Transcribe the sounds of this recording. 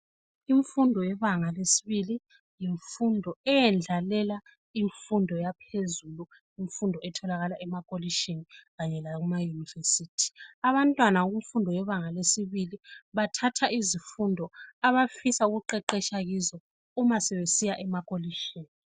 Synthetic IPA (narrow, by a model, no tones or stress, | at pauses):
iɱfundʱɔjɛβaŋalesi̥βili | jiɱfundʱɔɛjɛnd͡ɮʱalɛla | iɱfundʱɔjapʰezulu | iɱfundʱɔɛtʰɔlaɣalaʔɛmakʼoliʃiniɣaɲɛlaɣumajuniversiːtʰi̥aβantʼwanaɣuɱfundʱɔjɛβaŋalesiβiliβatʰatʰaʔizifundʱɔaβafisauɣuǃɛǃɛʃaɣizɔ | umasɛβesijaʔɛmakʼoliʃiːni